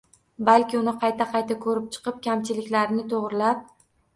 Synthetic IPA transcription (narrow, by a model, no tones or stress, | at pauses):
balkʲɪʊnɪqʰɑjt̪ʰaqʰɑjt̪ʰakʰɵɾɪp̚t͡ʃʰɨ̥qɨp̚kʲʰamt͡ʃʰɪlɪkʲlaɾɪnɪt̪ʰoʁɾɪlap̚